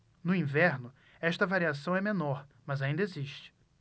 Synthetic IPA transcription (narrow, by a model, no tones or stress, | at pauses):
nʊĩvɛɾnʊ | ɛʃt̪ɐvaɾiasɐ̃w̃ɛmẽnɔɾ | mɐzaĩnd̪ɐeziʃt͡ʃɪ̥